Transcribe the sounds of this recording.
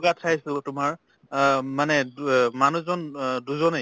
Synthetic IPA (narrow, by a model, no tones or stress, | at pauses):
ɡatʰajsɛtʊmaɹ | manɛmanuzɔnduzɔne